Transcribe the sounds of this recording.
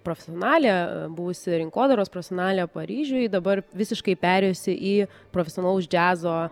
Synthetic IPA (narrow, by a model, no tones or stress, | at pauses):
pɾoːfʲɛsʲioɔnɑːlʲeːbʊʋʊsʲɪɾʲɪŋkoːd̪ɐɾoːspɾofʲɛsʲoːnɑːlʲeːpɐɾʲiːʒʲʊjd̪ɐbɐrʋʲɪsʲɪʃkɐɪpʲæːɾʲɛjosʲɪʔiː | pɾoːfʲɛsʲɪonɐlˠʊd͡ʒʲæːzoː